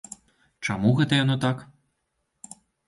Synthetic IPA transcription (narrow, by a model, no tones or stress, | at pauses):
t͡ʂamuɣɛt̪ɐjanɔt̪ak